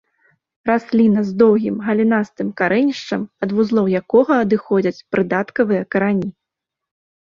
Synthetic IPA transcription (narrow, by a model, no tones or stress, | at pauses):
rasʲlʲinɐzd̪ɔwɣʲimɣɐlʲinast̪ɨmkaɾɛnʲiʂt͡ʂɐmɐd̪vuzlˠɔwjakɔɣɐːd̪ɨxɔd͡zʲɐt͡sʲpɾɨd̪at̪kɐvɨjɐkɐɾanʲi